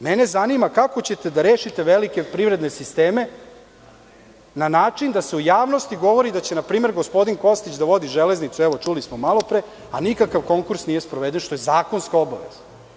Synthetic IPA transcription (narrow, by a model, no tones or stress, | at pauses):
mene̞zanimakako̞t͡ɕe̞t̪e̞d̪aɾeːʃit̪e̞ʋelike̞pɾiʋɾed̪ne̞sist̪eːme̞ | nanaːt͡ʂind̪aseujaːʋno̞st̪iɡo̞ʋo̞ɾid̪at͡ɕenapɾiːme̞ɾɡo̞spo̞d̪inko̞st̪it͡ɕd̪aʋo̞d̪iʒeleznit̪suɛʋo̞t͡ʂulismomalo̞pɾeː | anikakaʋko̞ŋkuɾsnijespɾoʋed̪enʃt̪o̞jezaːko̞nskaoba̰ʋḛz̥a